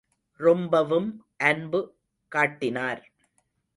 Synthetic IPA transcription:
ɾɔmbɐʋɯmʔɐnbɯ | kaːʈːɪnaːɾ

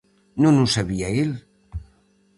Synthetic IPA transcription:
nonusaβiael

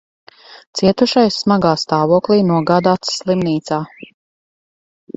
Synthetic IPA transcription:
t̪siɛt̪uʃajsːmaɡaːst̪aːvuɔklˠiːnuɔɡaːd̪aːt̪slˠimniːt̪saː

